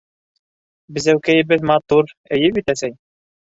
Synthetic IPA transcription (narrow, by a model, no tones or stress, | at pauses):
bɘ̆zæwkæjɘ̆bɘðmɑt̪uɾɘ̆jɘpit̪æsæj